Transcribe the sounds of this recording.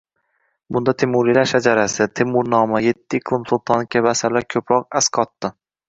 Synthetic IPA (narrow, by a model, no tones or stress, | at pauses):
bʊnd̪at̪ʰemːʊɾlilaɾʃad͡ʒaɾasɪt̪ʰemːʊɾnɒmaje̞t̪ʰːɪːqʰlˠɨmsʊlˠt̪ʰɒnkʲʰabasaɾlaɾkʲʰɵpɾɒq̚askʰɒt̪ːɪ